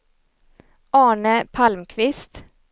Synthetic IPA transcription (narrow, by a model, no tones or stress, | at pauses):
ʔɑːɳəpʰalmkʰvɪst̪